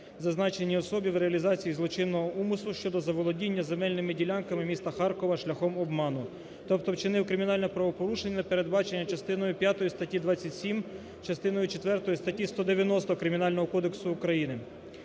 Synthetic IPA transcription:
zɐznɑt͡ʃenʲːiɔsɔbʲiwɾeɐlʲizɑt͡sʲijizlˠɔt͡ʃɪnːɔɦɔumʊslˠʊʃt͡ʃɔd̪ɔzɐʋɔlˠɔdʲinʲːɐzemɛlʲnɪmɪdʲilʲankɐmɪmʲist̪ɐxɑrkɔʋɐʃlʲɐxɔmɔbmɑnʊ | t̪ɔp̚t̪ɔwt͡ʃɪnɪwkɾɪmʲinɑlʲnɛpɾɐʋɔpɔɾuʃenʲːɐɐpe̞ɾed̪bɑt͡ʃenʲːɐt͡ʃɐst̪ɪnɔjʊpʲjat̪ɔjist̪ɐtʲid̪ʋɑt͡sʲːɐtʲsʲim | t͡ʃɐst̪ɪnɔjʊt͡ʃet̪ʋɛrt̪ɔjist̪ɐtʲist̪ɔd̪eʋʲjɐnɔst̪ɔkɾɪmʲinɑlʲnɔɦɔkɔd̪e̞ksʊːkɾɐjinɪ

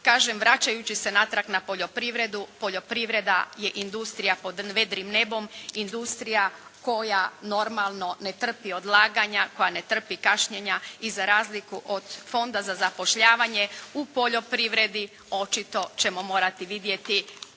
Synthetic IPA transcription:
kaːʒemʋɾat͡ɕajut͡ɕise̞nat̪ɾaknapo̞ʎo̞pɾiʋɾe̞d̪upo̞ʎo̞pɾiʋɾe̞d̪a̰je̞ʔind̪ust̪ɾijapo̞d̪ʋe̞d̪ɾimne̞bo̞mind̪ust̪ɾijako̞jano̞ɾmalˠno̞ne̞t̪r̩pio̞d̪lˠaːɡaɲako̞jane̞t̪r̩pikaʃɲeɲaizaɾaːzlikuʔo̞d̪fo̞nd̪azazapo̞ʃʎaːʋaɲe̞upo̞ʎo̞pɾiʋɾe̞d̪i | o̞t͡ʃit̪o̞t͡ɕe̞mo̞mo̞ːɾat̪iʋid̪je̞t̪i

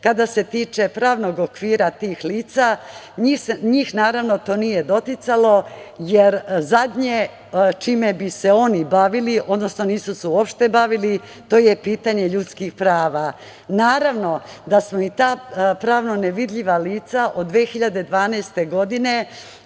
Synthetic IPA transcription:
kad̪ase̞t̪iːt͡ʃe̞pɾaːʋno̞ɡokʋiːɾat̪iːxliːt̪sa | ɲisɲiːxnaːɾaʋno̞t̪o̞ːnije̞d̪o̞t̪it̪salo̞jeɾzad̪ɲe | t͡ʃimebise̞o̞nibaʋiliʔo̞d̪no̞sno̞niːsuseuopʃt̪e̞baʋili | t̪o̞ːje̞piːt̪aɲe̞ʎut̪skixpɾaːʋa | naːɾaʋno̞d̪asmoit̪aːpɾaːʋno̞neʋid̪ʎiʋaliːt̪saʔo̞d̪d̪ːʋeːxiʎad̪e̞d̪ʋaːnaːst̪e̞ɡo̞d̪ine̞

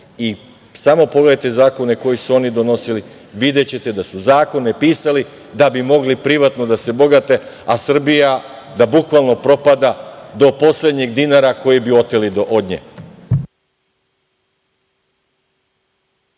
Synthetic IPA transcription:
i | samo̞po̞ɡled̪ajt̪e̞zaːko̞ne̞ko̞jisuo̞nid̪o̞no̞sili | ʋid̪e̞t͡ɕe̞t̪e̞d̪asuzaːko̞ne̞piːsali | d̪abimo̞ɡlipɾiʋat̪no̞d̪ase̞bo̞ɡat̪e̞ | asr̩bija | d̪abukʋalˠno̞pɾo̞pad̪ad̪o̞po̞sled̪ɲeɡd̪inaɾako̞jibiot̪elid̪oʔod̪ɲḛ

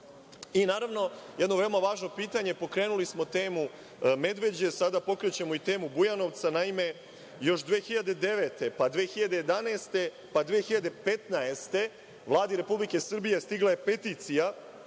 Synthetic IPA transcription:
inaːɾaʋno̞je̞d̪no̞ʋe̞omaʋaːʒno̞piːt̪aɲe̞po̞kɾeːnulismo̞t̪eːmu | me̞d̪ʋe̞d͡ʑe̞sad̪apo̞kɾet͡ɕe̞mo̞it̪e̞ːmubujano̞ʋt̪sanaime̞ | jo̞ʃd̪ʋeːxiʎad̪e̞d̪e̞ʋe̞t̪e̞pad̪ʋeːxiʎad̪eje̞d̪anaːst̪e̞ | pad̪ʋeːxiʎad̪e̞pe̞t̪naest̪e̞ | ʋlˠaːd̪iɾe̞publikesr̩bije̞st̪iɡlˠaje̞pe̞t̪iːt̪sija

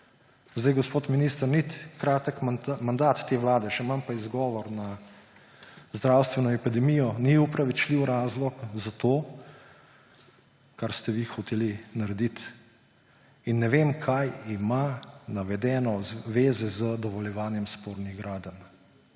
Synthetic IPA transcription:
zd̪ajɡospoːt̪minist̪əɾnit̪kɾaːt̪əkmand̪at̪ːeʋlaːd̪ɛʃɛmampaizɡɔːʋɔɾna | zd̪ɾaːwst̪ʋɛnɔɛpid̪ɛmijɔniupɾaʋit͡ʃliwɾaːzlɔkzat̪oː | kaɾst̪ɛʋixɔt̪eːlinaɾɛd̪it̪ | inːɛʋemkʰajimanaʋɛd̪ɛːnɔzʋeːzɛzəd̪ɔʋɔljɛʋaːnjɛmspoːɾniɣɡɾaːd̪ən

